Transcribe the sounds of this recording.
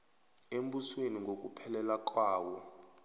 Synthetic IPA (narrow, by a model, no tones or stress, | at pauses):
embusweniŋɡʱok̬ʼupʰɛlɛlak̬ʼwaːwɔ